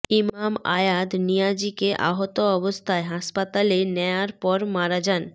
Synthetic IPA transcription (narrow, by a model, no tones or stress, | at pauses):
imama̰jad̪nijad͡ʑikeʔa̰ɦot̪oɔbost̪ʰaeɦaʃpat̪alenɛaɾpɔɾmaɾad͡ʑan